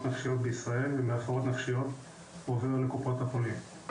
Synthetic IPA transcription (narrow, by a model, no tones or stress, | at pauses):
tnafʃijo̞t̪̚beisʁae̞lvemeafoʁo̞t̪nafʃijo̞t̪ | oveʁulekupʁot̪hapolim